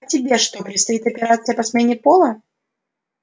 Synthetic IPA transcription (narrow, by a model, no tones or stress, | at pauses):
tʲɪbʲe̞ʂt̪opɾʲɪt̪st̪ɐit̪ɐpʲɪɾat̪sɨjəpɐsmʲenʲɪpolˠə